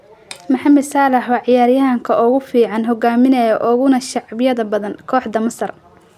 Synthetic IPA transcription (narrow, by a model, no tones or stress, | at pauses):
mɐħɑmɛd̪saːlɐħwɑːʕɪjaːrjɐɦɐŋkʰɐʔɔɣʊfiːʕɑnɦɔɡaːmɪnɛjɔʔɔɣʊnɐʃɑʕbɪjɐðɐbɐðɐnkʰɔːħd̪ɐmɐsɐr